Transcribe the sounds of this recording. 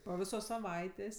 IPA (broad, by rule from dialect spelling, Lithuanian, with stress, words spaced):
poː ˈʋʲɪsoːs sɐˈʋɐɪtʲeːsʲ